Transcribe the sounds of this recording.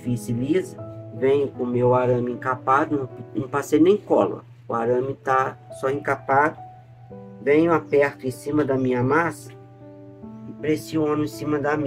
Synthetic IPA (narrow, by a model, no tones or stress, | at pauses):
fisilizɐvẽɲʊkõmewaɾɐ̃mɪẽkapad̪ʊñnɐ̃w̃pasejnẽj̃kɔl̰ɐ̰ | ʊaɾɐ̃mɪt̪asɔẽkapad̪ʊ | vẽɲʊapɛɾt̪ʊẽsĩmɐd̪ɐmĩɲɐmasɐ̥ | ɪpɾesĩõnʊẽsĩmɐd̪ɐmĩ